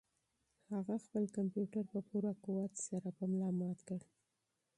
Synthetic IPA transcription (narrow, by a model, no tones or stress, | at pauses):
haɣaxpəlkampjuʈaɾpəpuɾakuwat̪saɾapəmlɑmɑt̪kəɽ